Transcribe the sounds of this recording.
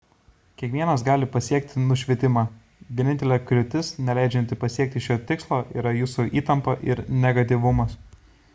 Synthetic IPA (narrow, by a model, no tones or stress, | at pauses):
kʲiɛkʋʲiɛnɐs̬ɡɑːlʲɪpɐsʲiɛk̚t̪ʲɪnʊʃʲʋʲiɛt̪ʲɪmɑː | ʋʲiɛnʲɪnʲt̪ʲɛlʲɛklʲʊt̪ʲɪsnʲɛlʲæˑɪd͡ʒʲɛnʲt̪ʲɪpɐsʲiɛk̚t̪ʲɪʃʲoːt̪ʲɪkslˠoːʔḭːɾɐjuːsuʔiːt̪ɐmpɐʔɪɾnʲɛɡɐt̪ʲiˑʋʊmɐs